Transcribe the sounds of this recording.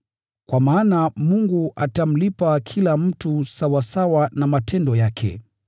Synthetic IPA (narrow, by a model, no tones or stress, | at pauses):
kwamaːnamuŋɡuʔatam̩lipakʰilam̩tusawasawanamatʰɛndɔjakʰɛ̰